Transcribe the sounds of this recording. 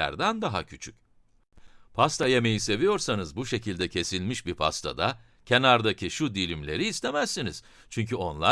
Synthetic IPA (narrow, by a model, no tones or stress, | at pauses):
æ̰ɾd̪ænd̪aɦacʰyt͡ʃʰyc | pʰast̪ʰajeme̞jise̞vijo̞ɾsanɯzbuʃe̞cʰilʲd̪ɛcʰe̞silʲmiʃbipʰa̰st̪ʰa̰d̪a | cʰe̞naɾd̪acʰiʃud̪ilʲimlʲe̞ɾiːst̪ʰe̞mæsːiniz̥ | t͡ʃʰyɲcʰyo̞nlˠa